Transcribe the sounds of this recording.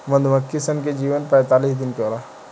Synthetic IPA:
məd̪ʱməkːisənked͡ʒiːʋənpɛ̃ːt̪aːliːsd̪ɪnkoːɾaː

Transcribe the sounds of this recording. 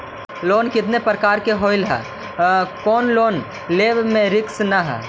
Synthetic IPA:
loːnkɪt̪nepɾəkaːɾkeɦoːɪlɦɛ̰ː | kɔːnloːn | leːbmẽɾɪksnɐɦɛ̰ː

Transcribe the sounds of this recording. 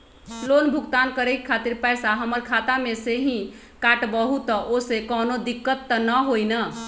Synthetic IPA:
lonbʱuɡt̪ankəɾekkʰat̪iɾpɛsaɦəməɾkʰat̪ameseɦĩ | kaʈbəɦut̪ːəʔosekɔnod̪ikːət̪ːənəɦojnə

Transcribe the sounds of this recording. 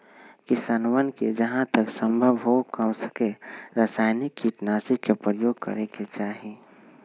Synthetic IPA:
kisanʋənked͡ʒəɦãt̪əksə̃mbʱəbɦokəmsə̥keɾəsaːɪnikːiʈnaːsikepɾəjoːɡ̚kə̰ɾeket͡ʃaːɦi

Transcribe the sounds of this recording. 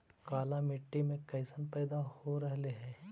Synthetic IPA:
kaːlamɪʈːimẽkɐɪsənpɛːd̪ahoɾɛɦleɦɛ̃ː

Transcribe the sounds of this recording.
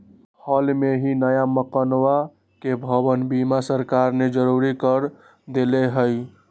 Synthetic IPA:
həlmeɦinəjaməkənwa | kebʱəbənbimasəɾkaɾned͡ʒəɾuɾikəɾ | d̪eleɦəj

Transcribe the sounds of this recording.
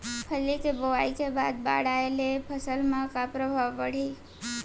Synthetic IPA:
pʰəlit͡ʃeboʋajt͡ʃʰeba̰d̪̚ba̰ɽaelepʰəsəlmãkapɾəbʱaʋpəɽ̤i

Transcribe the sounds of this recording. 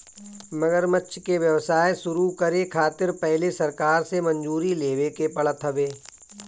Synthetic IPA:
mɐɡəɾmətːʃʰkeʋjɐʋsaːesʊɾukɐɾekʰaːt̪ɪɾpɛɦlesɐɾkaːɾsemɐ̃nd͡ʒuːɾileːʋekepɐɭət̪ɦɐbeː

